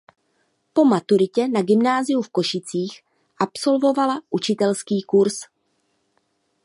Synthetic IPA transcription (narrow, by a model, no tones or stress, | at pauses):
po̞mat̪uɾɪcɛnaɡɪmnaːzɪjufko̞ʃɪt͡siːx | ʔapso̞lvo̞valaʔut͡ʃɪt̪ɛlskiːkuɾs